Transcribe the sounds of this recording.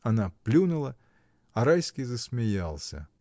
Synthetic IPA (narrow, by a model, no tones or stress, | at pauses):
ɐnaplʲunʊlˠə | ɐɾajskʲijzəsʲmʲɪjalˠsʲə̰